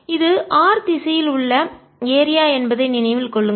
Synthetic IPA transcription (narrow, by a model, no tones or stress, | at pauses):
ɪðɯʔaːɾt̪ɪsɐjɪlʊɭːɐ | eːɾɪjaːɛnbɐðɐɪnɪnɐɪʋɪlkɔɭːɯŋɡɐ